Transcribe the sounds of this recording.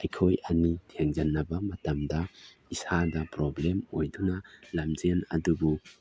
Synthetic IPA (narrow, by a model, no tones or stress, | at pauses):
ɐjkʰojɐnitʰeŋd͡ʒanːɐbɐmɐtɐmda | isadɐpɾɔblemojdunalamd͡ʒenɐ̰dubu